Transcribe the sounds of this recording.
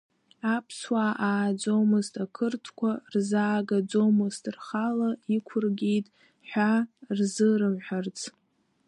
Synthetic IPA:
apʰswaʔaːd͡zomɨztʰʼakʰɨrtʰkʷʰarzaːɡad͡zomɨztʰʼrχalaikʷʰʊrɡʲejtʼ | ħᶣʷarzɨɾɨmħʷᶣart͡sʰ

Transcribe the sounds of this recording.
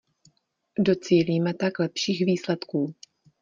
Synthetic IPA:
do̞t͡siːliːmɛt̪aklɛpʃiːxviːslɛt̪kuː

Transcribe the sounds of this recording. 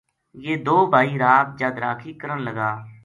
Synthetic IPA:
jeːd̪oːbʱaːiːɾaːb̚d͡ʒaːd̪ɾaːkʰiːkəɾənləɡaː

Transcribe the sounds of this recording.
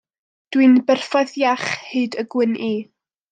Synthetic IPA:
d̥winbɛrfɔðjaχheɨdəɡwɪnʔiː

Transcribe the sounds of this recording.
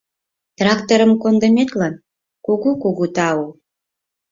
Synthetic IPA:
t̪rɑkt̪oɾəmkond̪ə̆met̪lɑn | kuɣukuɣut̪ɑu

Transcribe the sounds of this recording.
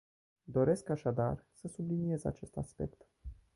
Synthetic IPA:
d̪o̞ɾe̞skaʃad̪a̰rsəsublinie̞za̰t͡ʃe̞st̪aspe̞̰kt̪

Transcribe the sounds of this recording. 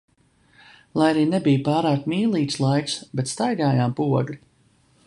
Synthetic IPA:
lˠajaɾiːnebijpaːɾaːkmiːlˠiːt̪slˠajksbɛt̪st̪ajɡaːjaːmpuɔɡlʲi

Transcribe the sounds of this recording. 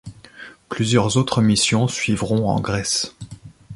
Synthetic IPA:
plyzjœʁzot̪χəmisjɔ̃sɥivʁɔ̃ɑ̰̃ɡʁɛs

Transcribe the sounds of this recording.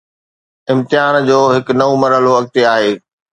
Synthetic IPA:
ɪ̃mt̪ɪɦaːnd͡ʑoːɦɪknɐʋomɐɾɦəloʋɐk̚t̪eaːɦeː

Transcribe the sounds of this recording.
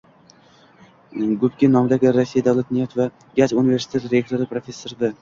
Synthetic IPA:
ɡʊpkʲɪnɒmɪd̪aɡʲɪɾasːijad̪awlˠat̪nijft̪va | ɡʲat͡ʃunive̞ɾsɪt̪ʰet̪ɾe̞k̚t̪ʰoɾɪpɾofʲe̞sːoɾd̪a

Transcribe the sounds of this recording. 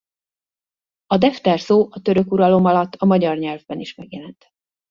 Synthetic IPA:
ɒd̪ɛft̪ɛrsoːʔɒt̪ø̞ɾø̞kuɾɒlo̞mɒlɒt̪ːɒmɒɟɒrɲɛlvbɛniʃmɛɡjɛlɛnt̪

